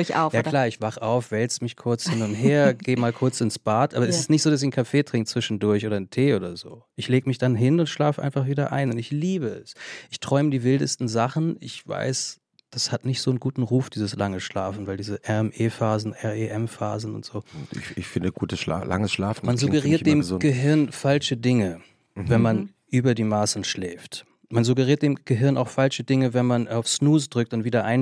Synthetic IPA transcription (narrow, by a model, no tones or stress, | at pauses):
ça̰ʊjaːklaːɐɪçv̥aχəʔaʊfv̥ɛlt͡səmɪçkʰʊɐt͡shɪnʊnthɦeːɐɡeːmaːlkʰʊɐt͡sɪnsb̥aːtʔaːbɐɛsɪstnɪçtz̥oːdas̬in̩kʰafeːtʁ̥ɪŋk̚t̚t͡sv̥ɪʃn̩dʊɐçʔoːɾɐntʰeːʔoːɾɐzo̰ːʔɪçleːɡəmɪçd̥anɦɪnʊntʃlaːfəʔa̰ɪnfaχv̥iːdɐʔa̰ɪnʊntɪçliːbəɛsʔɪçtʁ̥ɔʏmədiːvɪldəstn̩zaχn̩ɪçv̥a̰ɪs | d̥ashatnɪçtz̥oːnɡuːtn̩ʁuːfd̥iːzəslaŋəʃla̰ːfn̩vaɪldiːzəʔɛʁɛmʔeːfaːzn̩ʔɛɐeʔɛmfa̰ːzn̩ʊ̰ntz̥oːɪ̰çɪçfɪndəɡ̥uːtəsa̰la̰ŋəsʃla̰ːfn̩manzuɡəʁiːɐdeːmzɡəɦɪɐnfalʃədɪŋə | vɛnman | ʔyːbɐdiːmaːsn̩ʃlɛːft | manzuɡəʁiːɐt̚d̥eːmɡ̥əɦɪɐna̰ʊxfalʃədɪŋəvɛnmanaʊfsnuːsd̥ʁʏk̚tʊntviːɾɐʔaɪn